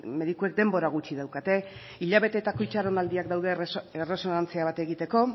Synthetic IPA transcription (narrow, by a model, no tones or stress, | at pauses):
me̞ðikuek̚d̪e̞mbo̞ɾaɣ̞ut͡ʃiðawkat̪e̞ | iʎaβ̞e̞t̪e̞t̪ako̞it͡ʃaɾonald̪iakd̪awðe̞ere̞so̞nant͡siaβ̞at̪e̞ɣit̪e̞ko̞